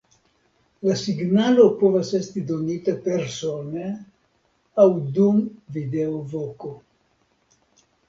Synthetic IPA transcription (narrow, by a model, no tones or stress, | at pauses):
lasiɡnalopovasest̪id̪onit̪apeɾsone | awd̪unvid̪eovoko